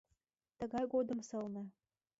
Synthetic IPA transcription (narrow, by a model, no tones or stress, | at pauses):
t̪ə̆ɣɑjɡod̪ə̆msɤ̆lˠnɤ̆